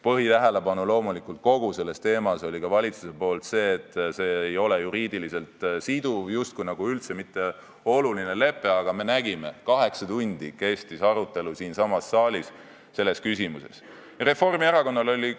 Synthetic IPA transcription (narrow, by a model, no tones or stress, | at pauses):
pɤɦit̪æɦele̞pɑnulo̞ːmulikˑult̪̚ko̞ɡ̥use̞lːe̞st̪e̞ːmɑso̞lʲikɑvɑlʲit̪su̥se̞po̞ːlt̪se̞ːt̪se̞ːjo̞le̞juɾiːd̪̥ilise̞lt̪sid̪̥uvjust̪̚kujnɑɡ̥uylt̪se̞mit̪ːe̞ | o̞luline̞le̞pːˑe̞ɑɡ̥ɑme̞næɡ̥ime̞kɑɦe̞ksɑt̪unʲd̪̥ike̞st̪isɑɾut̪ːˑe̞lusiːnsɑmɑsːɑːlʲis | se̞lːe̞skysimuse̞̰s | re̞fo̞rmieɾɑko̞nːɑlo̞lʲi